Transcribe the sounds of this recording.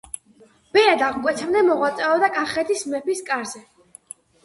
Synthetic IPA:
b̥ɛɾad̪aʁmkʼwɛt̪sʰamd̪ɛmɔʁwat̪sʼɛɔd̪akʼaχɛt̪ʰismɛpiskʼaɾzɛ

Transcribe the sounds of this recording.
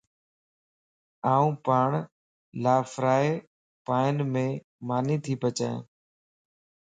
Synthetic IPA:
aːũːpaːɳ | laːfɾaːe | paːjənmẽː | maːniːt̪ʰiːpət͡ʃa̰ːḛ̃ː

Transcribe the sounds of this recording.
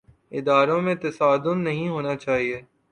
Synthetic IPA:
ɪd̪aːɾõmẽt̪ɐsaːd̪ʊnːɐɦĩɦoːnat͡ʃaːɦieː

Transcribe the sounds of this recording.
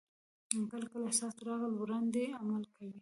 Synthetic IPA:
ŋkalkəlahsɑst̪ɾɑɣəlwɾɑnd̪eamalkʰawi

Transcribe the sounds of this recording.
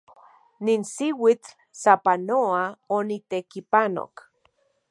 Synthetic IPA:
ninsiwit͡ɬ | sapanoaonit̪ekipano̰k

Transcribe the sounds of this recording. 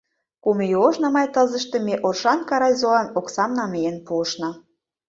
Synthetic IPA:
kuməjooʒnɑmɑjt̪əzə̆ʃt̪ĕmeʔorʃɑnkɑɾɑjzolɑnoksɑmnɑmejenpuəʃnɤ̆

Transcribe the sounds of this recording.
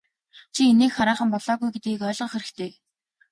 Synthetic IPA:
t͡ɕʰieneːkχaɾaːχə̆mpɔɮɔːɣujɡet̪̚ɡiːkœːɮʁɞ̆χeɾɘ̆kt̪ʰeː

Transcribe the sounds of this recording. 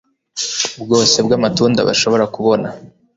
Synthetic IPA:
ubɡo̞ːse̞bɡamatuːnda̰βa̰ʃo̞βo̞ɾakuβo̞na

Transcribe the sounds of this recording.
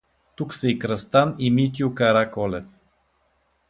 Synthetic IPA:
t̪uksɛikɾəst̪animit̪̬iukaɾakɔlɛf

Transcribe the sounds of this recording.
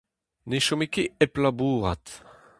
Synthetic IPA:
neʃomekeɛplabuːʁa̰t̪

